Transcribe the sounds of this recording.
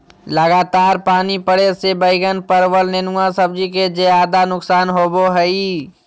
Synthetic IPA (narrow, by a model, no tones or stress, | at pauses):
ləɡaːt̪aːɾpaːnipəɽesebəɪɡənpəɾwəlnenuasəbd͡ʒiked͡ʒeaːd̪anʊksaːnɦoːboɦɛi